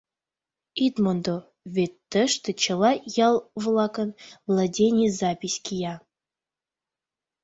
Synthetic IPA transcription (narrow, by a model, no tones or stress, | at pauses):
id̪mond̪o | vʲet̪ːəʃt̪ə̆t͡ɕə̆lˠɑjɑlˠvlˠɑkə̆nvlˠadʲenʲizɑpʲisʲkʲijɑ